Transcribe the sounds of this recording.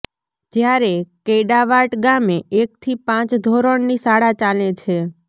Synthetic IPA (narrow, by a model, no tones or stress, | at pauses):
d͡ʒjaɾekejɖaʋaʈɡameek̚t̪ʰipãt͡ʃd̪ʱɔɾəɳnisaɽat͡ʃalẽt͡ʃʰe